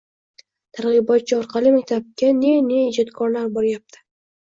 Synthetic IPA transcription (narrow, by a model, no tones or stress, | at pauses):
t̪ʰaɾʁɨbɒt̪̚t͡ʃʰɪɒɾqʰɑlɪmak̚ʲt̪ʰap̚kʲaneneːd͡ʒɒt̪kʰɒɾlaɾbɒɾjap̚t̪ʰɪ̥